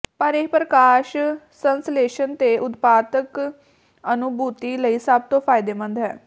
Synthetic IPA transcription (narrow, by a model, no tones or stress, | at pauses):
pəɾeɦpɾəkaːʃ | sənsleːʃənt̪eːʔʊt̪paːt̪ək | ənʊbuːt̪iːləiːsəb̚t̪õːpʰaːjɪd̪eːmə̃nd̪ɦɛː